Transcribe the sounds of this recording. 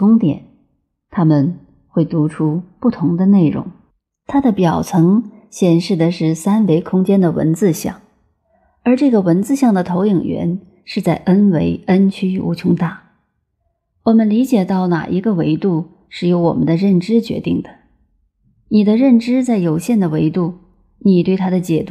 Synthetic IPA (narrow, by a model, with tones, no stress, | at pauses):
kʊ˥ŋt̪jɛ̰˨˩˦n | t̪ʰa˥mə˨n | xwe˥˩ɪt̪u˧˥ʈ͡ʂʰu˥pu˥˩t̪ʰʊ˧˥ŋd̪ə˧ne˥˩ɪɻʊ̰˧˥ŋ | t̪ʰa˥d̪ə˨pjɑ˨˩ʊt͡sʰɤ˧˥ŋ | ɕjɛ˨˩nʂɻ̩˥˩d̪ə˩ʂɻ̩˥˩sa˥nwe˧˥ɪkʰʊ˥ŋt͡ɕjɛ˥nd̪ə˨wə̰˧˥nt͡sɹ̩˥˧ɕjɑ̰˥˩ŋ | ə˞˧˥ʈ͡ʂɤ˥˩ɡə˩wə˧˥nt͡sɹ̩˥˧ɕjɑ˥˩ŋd̪ə˩t̪ʰo˧˥ʊi˨˩ŋɥɛ̰˧˥n | ʂɻ̩˥˧t͡sa˥˩ɪʔə˥nwe˧˥ɪə˥nt͡ɕʰy˥˧ṵ˧˥t͡ɕʰʊ˥ŋt̪a˥˩ | wɔ˨˩mə˦nli˧˥t͡ɕjɛ˨˩t̪ɑ˥˩ʊna̰˨˩ʔi˧˥ɡə˧we˧˥ɪt̪u˥˩ | ʂɻ̩˥˩jo˧˥ʊwɔ̰˨˩mə̰˦nd̪ə˧ɻə˥˩nʈ͡ʂɻ̩˥t͡ɕɥɛ̰˧˥t̪i˥˩ŋd̪ə̥˩ | ni˨˩d̪ə˦ɻə˥˩nʈ͡ʂɻ̩˥t͡sa˥˩ɪjo˨˩ʊɕjɛ˥˩nd̪ə˩we˧˥ɪt̪u˥˩ | ni˨˩t̪we˥˩ɪt̪ʰa˥d̪ə˨t͡ɕjɛ˨˩t̪